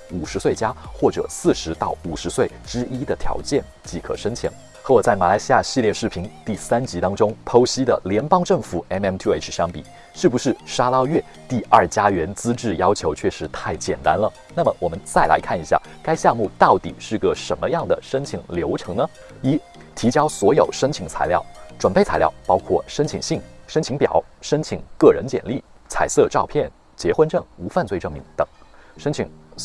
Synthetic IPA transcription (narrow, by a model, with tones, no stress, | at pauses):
u˨˩ʂɻ̩˧˥swe˥˩ɪt͡ɕja˥xwɔ˥˩ʈ͡ʂɤ̰˨˩sɹ̩˥˩ʂɻ̩˧˥t̪ɑ˥˩ʊu˨˩ʂɻ̩˧˥swe˥˩ɪʈ͡ʂɻ̩˥i˥d̪ə˨t̪ʰjɑ̰˧˥ʊt͡ɕjɛ˥˩n | t͡ɕi˧˥˩kʰɤ̰˨˩ʂə˥ŋt͡ɕʰḭ˨˩˦ŋ | xɤ˧˥wɔ˨˩t͡sa˥˩ɪma˨˩la˧˥ɪɕi˥ja˥˧ɕi˥˧ljɛ˥˧ʂɻ̩˥˩pʰi˧˥ŋt̪i˥˩sa˥nt͡ɕi˧˥t̪ɑ˥ŋʈ͡ʂʊ˥ŋpʰo˥ʊɕi˥d̪ə̰˨ljɛ˧˥npɑ˥ŋʈ͡ʂɤ˥˩ŋfu˨˩˦ɛ˥nɛ˧˥mt̪ʰje˥˩ɕjɑ˥ŋpi˨˩ | ʂɻ̩˥˩pu˧˩ʂɻ̩˥˩ʂa˥lɑ˥˧ʊɥɛ˥˧ | t̪i˥˧ɐ˞˥˩t͡ɕja˥ɥɛ˧˥nt͡sɹ̩˥ʈ͡ʂɻ̩˥˩jɑ˥ʊt͡ɕʰjo˧˥ʊt͡ɕʰɥɛ˥˩ʂɻ̩˧˥t̪ʰa˥˩ɪt͡ɕjɛ˨˩nt̪a˥nlə˨ | na˥˩mə˩wʔɔ˨˩mə˦nt͡sa˥˩ɪla̰˧˥ɪkʰa˥˩ni˧˥ɕja̰˥˩ | ka˥ɪɕjɑ˥˧ŋmu˥˧t̪ɑ˥˩ʊt̪ḭ˨˩ʂɻ̩˥˩ɡə˩ʂə˧˥nmə˧jɑ˥˩ŋd̪ə̰˩ʂə˥ŋt͡ɕʰi˨˩ŋljo˧˥ʊʈ͡ʂʰɤ˧˥ŋnə˧ | i˧˥˩ | t̪ʰi˧˥t͡ɕjɑ˥ʊswɔ˧˥jo˨˩ʊʂə˥ŋt͡ɕʰi˧˩ŋt͡sʰa̰˧˥ɪljɑ˥˩ʊʈ͡ʂwə˨˩npe˥˩ɪt͡sʰa˧˥ɪljɑ̰˥˩ʊpɑ˥ʊkʰwɔ̰˥˩ʂə˥nt͡ɕʰi˨˩ŋɕi˥˩ŋʂə˥nt͡ɕʰi˧˥ŋpjɑ̰˨˩˦ʊʂə˥nt͡ɕʰi˨˩ŋkɤ˥˩ɻə˧˥nt͡ɕjɛ̰˨˩nli˥˩t͡sʰa̰˨˩ɪsɤ˥˧ʈ͡ʂɑ˥˧ʊpʰjɛ˥˩n | t͡ɕjɛ˧˥xwə˥nʈ͡ʂɤ˥˩ŋu˧˥fa˥˧nt͡swe˥˧ɪʈ͡ʂɤ˥˩ŋmi˧˥ŋt̪ɤ˨˩˦ŋʂə˥nt͡ɕʰḭ˨˧˩ŋ